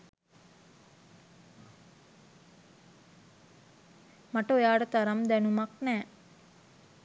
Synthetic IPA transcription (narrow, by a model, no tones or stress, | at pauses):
maʈəojaːɽət̪aɾamd̪ænumaknæː